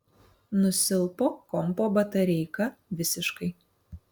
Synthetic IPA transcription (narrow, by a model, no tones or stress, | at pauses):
nʊsʲɪlˠpoːkɔmpoːbɐt̪ɐɾʲɛɪkɐʋʲɪsʲɪʃkɐɪ